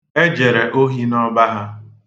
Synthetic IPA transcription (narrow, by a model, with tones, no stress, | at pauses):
e˦d͡ʒe˨ɾe˨ʔo˦ɦi˦nɔ˦ba˦ɦa˦